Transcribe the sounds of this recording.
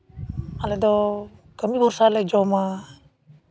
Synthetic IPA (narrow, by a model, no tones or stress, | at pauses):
alɛd̪ɔkəmibuɾsalɛd͡ʒɔma